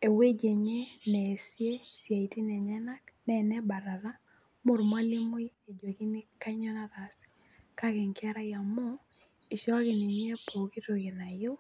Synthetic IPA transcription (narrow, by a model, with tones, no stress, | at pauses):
e˨we˦d͡ʒe˨ɲe˦nɛ˨sje˦sja˨i˨ti˦nɛ˨ɲɛ˦na˦knɛ˦˨nɛ˦ba˨ɾa˨ɾa˦ | mʊ˨ɾmwa˦lɪ˦mʊ˦e˨d͡ʒwo˨ki˦ni˦ka˦ɲɔ˦na˦ɾa˨sɪ̥˨ | ka˦kɪ˨ŋkɛ˦ɾa˦ja˨mɔ˦ | ɪ˨ʃɔ˦kɪ˨ni˨ni˦e˦po˨ki˦to˨kɪ˨na˨jʊ˦